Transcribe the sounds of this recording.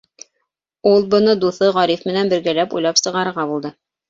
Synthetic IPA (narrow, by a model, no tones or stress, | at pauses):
ulˠbɤ̆nɤd̪uθɤʁɒɾifmɘ̆nænbɘ̆ɾɡælæpṵjlˠɑpsɤ̆ʁɑɾɤ̆ɾʁɑbulˠd̪ɤ